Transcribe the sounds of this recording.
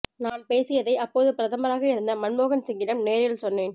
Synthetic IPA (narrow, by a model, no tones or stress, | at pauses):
naːnpeːsɪjɐðɐɪʔɐpːoːðɯpɪɾɐðɐmɐɾaːɣɐɪɾɯnd̪ɐmɐnmoːɣɐnsɪŋɡɪlɐmneːɾjɪlsɔnːeːn